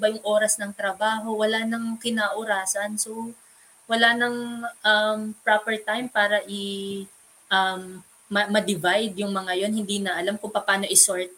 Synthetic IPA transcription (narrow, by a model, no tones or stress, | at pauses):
bɐjʊŋʔo̞ːɾɐsnɐŋt̪ɾɐbaːɦo̞wɐlanɐŋkɪnaːʔʊɾaːsɐnso | wɐlanɐŋʔɐmpɹapɛɹt̪ajmpaːɾɐʔɪ | ʔɐmː | ɐːɐd̪ɪvajd̪jʊŋmɐŋajo̞nhɪnd̪iːnɐʔɐlamkʊŋpɐpaːno̞ʔɪsoɹt̪̚